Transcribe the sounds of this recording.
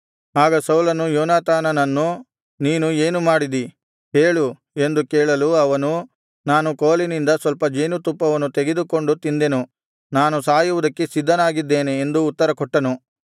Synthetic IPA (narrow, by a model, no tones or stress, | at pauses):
aːɡɐsɐwlɐnujoːnaːt̪aːnɐnɐnːu | niːnueːnumaːɽid̪i | ɦeːɭu | e̞nd̪ukɛːɭɐluɐʋɐnu | naːnukoːlinind̪ɐsʋɐlpɐd͡ʒeːnut̪upːɐʋɐnːut̪eɡed̪uko̞ɳɖut̪ind̪enu | naːnusaːjuʋud̪ɐkːe̞sid̪ʱːɐnaːɡid̪ːeːneːnd̪uːt̪ːɐɾɐkɔʈːɐnu